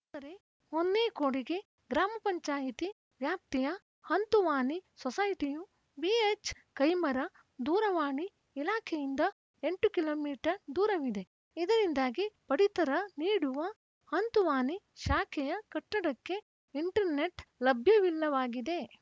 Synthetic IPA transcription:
t̪ɐɾe | honːeːkoːɽiɡe̞ | ɡɾaːmɐpɐɲt͡ʃaːjit̪i | ʋjaːp̚t̪ijɐ | hɐnt̪uʋaːnisɔsɐjʈiju | biet͡ʃ | kɐjmɐɾɐ | d̪uːɾɐʋaːniː | laːkʰɛjind̪ɐ | eɳʈukiloːmiːʈɐɾd̪uːɾɐʋid̪e̞ | id̪ɐɾind̪aːɡipɐɽit̪ɐɾɐniːɽuʋɐ | hɐnt̪uʋaːni | ʃaːkʰɛjɐkɐʈːɐɽɐkːe̞ | iɳʈɐɾne̞ʈlɐbʱjɐʋilːɐʋaːɡid̪e̞

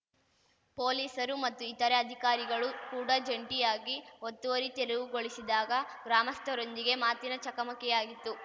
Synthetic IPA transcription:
po̞ːliːsɐɾumɐt̪ːuit̪ɐɾeɐd̪ʱikaːɾiɡɐɭukuːɽɐd͡ʒɐɳʈijaːɡiot̪ːuʋɐɾit̪eɾeʋuɡoɭisid̪aːɡɐɡɾaːmɐst̪ʰɐɾond̪iɡe̞maːt̪inɐt͡ʃɐkɐmɐkɛjaːɡit̪ːu

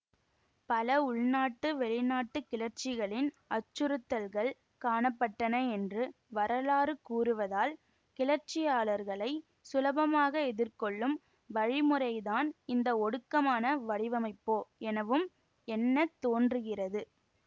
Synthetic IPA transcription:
pɐlɐʊɭnaːʈːɯʋɛɭɪnaːʈːɯkɪɭɐɾt͡ʃɪɣɐɭɪn | ɐt͡ʃːɯɾɯt̪ːɐlɣɐɭ | kaːɳɐpːɐʈːɐnɐɛndrɯ | ʋɐɾɐlaːɾɯkuːrɯʋɐðaːl | kɪlɐɾt͡ʃɪjaːɭɐɾɣɐɭɐɪ | sʊlɐbɐmaːɣɐɛðɪɾkɔɭːɯm | ʋɐɻɪmɯrɐɪðaːnɪnd̪ɐɔɽɯkːɐmaːnɐʋɐɽɪʋɐmɐɪpːoːɛnɐʋɯm | ɛnːɐt̪ːoːndrɯɣɪrɐðɯ

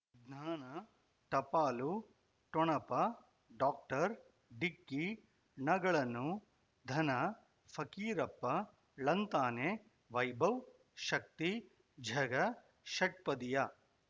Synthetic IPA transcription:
ɡnaːnɐ | ʈɐpaːlu | ʈɔɳɐpɐ | ɖaːk̚ʈɐɾ | ɖikːi | nɐɡɐɭɐnu | d̪ʱɐnɐ | fɐkiːɾɐpːɐ | lɐnt̪aːne | ʋɐjbɐw | ʃɐk̚t̪i | d͡ʒʱɐɡɐ | ʃɐʈ̚pɐd̪ija

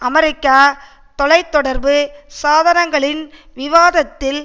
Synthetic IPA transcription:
ʔɐmɐɾɪkːaː | t̪ɔlɐɪt̪ːɔɽɐɾbɯsaːðɐnɐŋɡɐɭɪn | ʋɪʋaːðɐt̪ːɪl

